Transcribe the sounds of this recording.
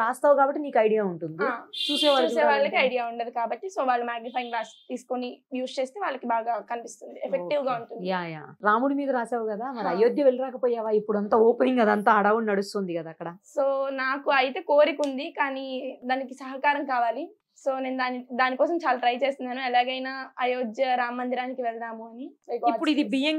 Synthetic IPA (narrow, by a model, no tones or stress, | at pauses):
ɾaːst̪aːʋukaːbɐʈːiniːkɐjɽijaːuɳʈund̪iat͡ʃuːseːʋaːlɐːeːʋaːɭːɐkiɐjɖijaːuɳɖɐd̪ikaːbɐʈːiso̞ːʋaːɭːumaːɡnipʰɐjiŋɡɾaːst̪iːsu̥konijuːst͡ʃeːst̪e̞ːʋaːɭːɐkibaːɡaːkɐnipist̪und̪iepʰekʈiʋɡaːuɳʈundjaːja̰ːɾaːmuɽimiːd̪ɐɾaːsaːʋukɐd̪aːmɐɾiɐjoːd̪ʱjɐʋeɭiɾaːkɐpɔːjaːʋaːipːuɽuɐnt̪aːoːpeniŋɡɐd̪aɐnt̪aːɐɽaːʋunnɐɽust̪oːnd̪ikɐd̪aːkːɐɽɐsoːnaːkuɐjit̪e̞ːkoːɾikund̪ikaːnid̪aːnikisɐɦɐkaːɾɐmkaːʋaːli | so̞ːneːnud̪aːnid̪aːnikɔːsɐmt͡ʃaːlaːʈɾɐjt͡ʃe̞ːst̪ind̪aːnuɛlaːɡɐjnaːɐjoːd͡ʒjɐɾaːmːɐnd̪iɾaːnikiʋɛld̪aːmuɐniɐkipːuɽuid̪ibijeŋ